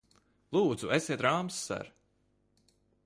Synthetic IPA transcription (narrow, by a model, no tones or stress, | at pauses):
lˠuːd̪zueseɛːt̪ɾaːmsːa̰ɾ